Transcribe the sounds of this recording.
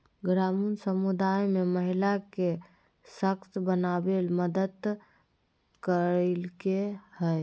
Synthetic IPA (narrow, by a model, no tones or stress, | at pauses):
ɡɾamunsəmud̪ajmeməɦilake | səkt̪bənabelməd̪əd̪ | kəɾelkehəj